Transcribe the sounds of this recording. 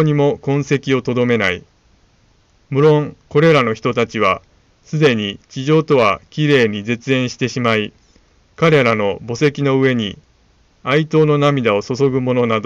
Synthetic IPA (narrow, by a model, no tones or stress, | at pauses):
ɲ̟imo̞kõ̞ɰ̃se̞kʲio̞t̪o̞d̪o̞me̞nai | mɯ̟ɾõ̞ŋko̞ɾe̞ɾano̞çi̥t̪o̞t̪at͡ɕiβ̞a | sɨd̪e̞ɲ̟it͡ɕiʑo̞ːt̪o̞β̞akʲiɾe̞ːɲ̟ize̞t͡sɨẽ̞ɰ̃ɕi̥t̪e̞ɕimai | kaɾe̞ɾano̞bo̞se̞kʲino̞ɯ̟e̞ɲ̟i | ait̪o̞ːno̞namʲid̪ao̞so̞so̞ɡɯ̟mo̞no̞nad̪o